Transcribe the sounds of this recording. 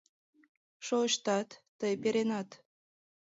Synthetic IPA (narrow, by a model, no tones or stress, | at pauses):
ʃoəʃt̪ɑt̪ːəjpeɾenɑt̪